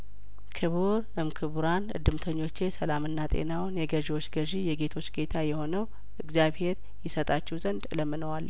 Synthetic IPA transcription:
kʰɨβuɾ | ɨmkʰɨβuɾanɨ̰d̪ːɨmt̪ʰəɲːo̞t͡ʃːe̞səlamɨnːat̪ʼe̞̰nawnjɛɡəʒiwo̞t͡ʃːɡəʒijɛɡe̞t̪ʰo̞t͡ʃːɡe̞t̪ʰajɛho̞nəw | ʔɨɡzjaβhe̞ɾ | jɪsət̪ʼat͡ʃːɛwzənd̪ɨləmːɨnəwalː

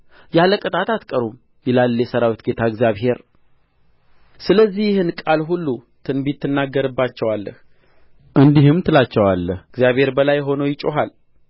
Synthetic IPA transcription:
jaləkʼɨt̪ʼat̪at̪kʼəɾum | jɪlalːjɛsəɾawit̪ɡe̞t̪ʰaɨɡzijaβɦe̞ɾ | sɨləzːihjɪhɨnkʼalɦulːu | t̪ʰɨnbit̪ʰːɨnːaɡːəɾɨbːat͡ʃːɛwalːə̰h | ʔɨnd̪ihɨmt̪ʰɨlat͡ʃːɛwalːəhɨɡzjaβhe̞ɾbəlajɦo̞nojɪt͡ʃʼːoɦal

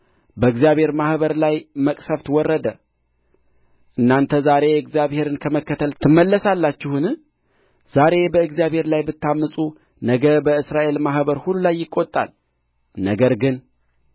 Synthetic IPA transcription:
bəɨɡzijaβhe̞ɾmahβəɾlajməkʼsəft̪wɔrːəd̪ə | ʔɨnːant̪ʰəzaɾe̞ɨɡzijaβhe̞ɾɨnkʰəməkːət̪ʰəlt̪ʰɨmːəlːəsalːat͡ʃːɪhɨnɨ | z̥aɾe̞bəɨɡzjaβhe̞ɾlajbɨt̪ʰːamːɨsʼu | nəɡəbəɨsɾaʔe̞lmahbəɾhululajːɪkʼːot̪ʼːa̰l | nəɡəɾɡɨn

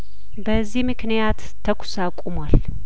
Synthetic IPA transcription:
bəzːihmɨknijat̪ʰːəkʷʰʊ̥sakʷʼumwal

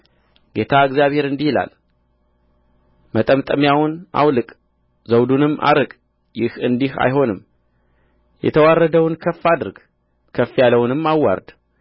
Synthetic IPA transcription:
ɡ̥e̞t̪ʰaɨɡzjaβhe̞ɾɨnd̪ihila̰l | mət̪ʼəmt̪ʼəmjawʊnʔa̰wlɨkʼ | zəwd̪unɨmːʔa̰ɾɨkʼ | jɪhɨnd̪iha̰jɦo̞nɨm | jɛ̰t̪ʰəwarːəd̪əwnkʰəfːad̪ɨɾɡ | kʰəfːijaləwnɨmːawːa̰ɾd̪

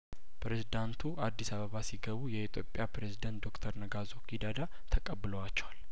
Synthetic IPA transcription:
pʰɾezid̪ant̪ʰuʔad̪ːisaβəβasiɡəβujɛit̪ʰjopʼːjapɾezid̪ənt̪̚d̪o̞kt̪ʰəɾnəɡazo̞kid̪ad̪a | t̪ʰəkʼəbːɨləwat͡ʃːɛwal

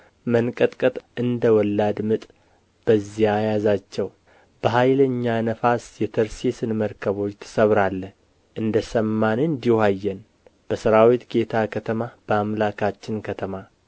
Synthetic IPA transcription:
mənkʼət̪ʼkʼət̪ʼɨnd̪əwɔlːad̪mɨt̪ʼ | b̥əzːiajazat͡ʃːɛw | b̥əɦajləɲːanəfasjɛt̪ʰəɾsesɨnməɾkʰəβo̞t͡ʃːt̪ʰɨ̥səβɾalːə | ʔɨnd̪əsəmːanɨnd̪ihajːɛn | b̥əsɨɾawit̪ɡe̞t̪ʰakʰət̪ʰəmab̥əamlakʰat͡ʃːɪnkʰət̪ʰəma

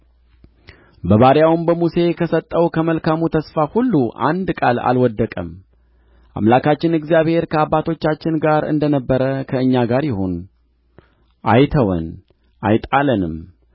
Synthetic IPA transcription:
bəβaɾjawmbəmuse̞kʰəsət̪ʼːəwkʰəməlkamut̪ʰəsfahulːuʔa̰nd̪kʼala̰lwɔd̪ːəkʼəm | ʔa̰mlakat͡ʃːɪnɨɡzijaβhe̞ɾkʰəabːat̪ʰo̞t͡ʃːat͡ʃːɪnɡaɾɨ̰nd̪ənəbːəɾəkʰəɨɲːaɡaɾjɪho̞n | ʔajt̪ʰəwə̰n | ʔajt̪ʼalənɨm

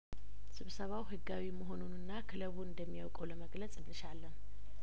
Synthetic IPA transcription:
sɨβsəβawɦɨɡawiməɦo̞nunɨnːakʰɨləβuɨnd̪əmːijawkʼələməɡlət͡sʼɨnːɨʃalːən

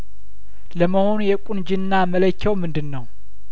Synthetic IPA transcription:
ləməho̞nujɛkʼund͡ʒɨnːamələkʰːɛwmɨnd̪ɨnːəw

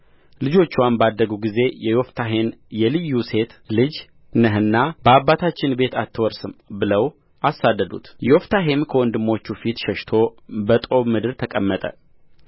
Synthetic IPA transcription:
lɨd͡ʒo̞t͡ʃːwanbad̪ːəɡuɡize̞jɛjo̞ft̪ʰaɦenjɛlɨjːuse̞t̪lɨd͡ʒ | nəɦɨnːab̥əabːat̪ʰat͡ʃːɪnbe̞t̪at̪ːɨwɔɾsɨmbɨləw | ʔasːad̪ːəd̪ṵt̪joft̪ʰaɦe̞mkʰəwɔnd̪ɨmːo̞t͡ʃːufit̪ʃəʃt̪ʰo̞bət̪ʼo̞βmɨd̪ɨɾt̪ʰəkʼəmːət̪ʼə̰

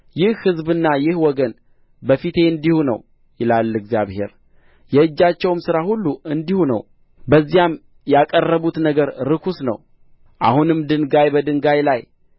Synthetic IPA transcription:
jɪhhɨzbɨnːajɪhwɔɡən | bəfit̪ʰe̞ɨnd̪ihunə̰w | jɪlalːɨɡzjaβhe̞̰ɾ | jɛɨd͡ʒːat͡ʃːɛwmsɨɾahulːuɨnd̪ihunə̰w | bəzːijam | jakʼərːəβut̪nəɡəɾɾɨkʰusnə̰w | ʔa̰hunɨmd̪ɨnɡajbəd̪ɨŋɡajlaj

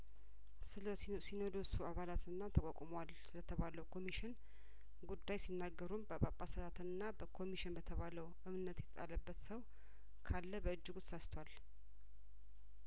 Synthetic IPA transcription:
sinod̪osuaβalat̪ɨnːat̪ʰəkʼokʼmwal | lət̪ʰəβaləwkʰo̞miʃɪn | ɡud̪ːajsinːaɡːəɾumbəpʼapʼasəlat̪ɨnːabəkʰo̞miʃɪnbət̪ʰəβaləwʔɨmnət̪jɛt̪ʰʼət̪ʼa̰ləbːət̪səw | kʰalːəbəɨd͡ʒːɪɡut̪sast̪ʰwal

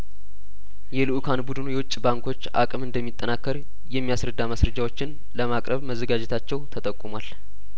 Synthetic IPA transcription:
jɛlɨʔukʰanbud̪ɨnujɛwʊt͡ʃʼːbaŋkʰo̞t͡ʃːʔa̰kʼɨmɨnd̪əmːit̪ʼːənakːəɾ | jɛmːijasɾəd̪ːaməsɾəd͡ʒawo̞t͡ʃːɪn | ləmakʼɾʔəβməzːəɡad͡ʒɛt̪ʰat͡ʃːɛwt̪ʰət̪ʼəkʼːumwal

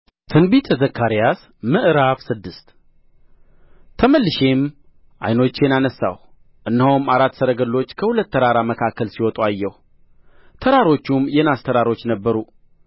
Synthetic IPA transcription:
t̪ʰɨnbit̪ʰəzəkʰːaɾijas | mɨʔɾaβsɨd̪ːɨst̪ | t̪ʰəməlːɨʃem | ʔa̰jno̞t͡ʃːenanəsːa̰w | ʔɨnːhowmaɾat̪ːsəɾəɡəlːo̞t͡ʃːkʰəhulət̪ːəɾaɾaməkʰakːəlsiwɔt̪ʼuajːɛhu | t̪ʰəɾaɾo̞t͡ʃːumjɛnast̪ʰəɾaɾo̞t͡ʃːnəbːəɾu

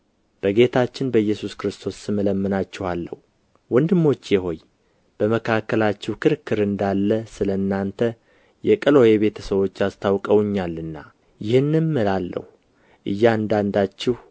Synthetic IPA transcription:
b̥əɡe̞t̪ʰat͡ʃːɪnbəjːɛsuskɨɾɨst̪ʰo̞sɨmələmːɨnat͡ʃːɪhalːə̰h | wɔnd̪ɨmːo̞t͡ʃːjɛɦo̞ɲ | b̥əməkʰakːəlat͡ʃːɛwkʰɨɾkʰːɨɾɨnd̪alːəsɨlənːant̪ʰə | jɛkʼɨlo̞jeβe̞t̪ʰəsəwo̞t͡ʃːast̪ʰawkʼəwɲːalːɨnːa̰ | jɪhɨnːɨnmɨlalːə̰hu | ʔɨjːand̪and̪at͡ʃːɪh

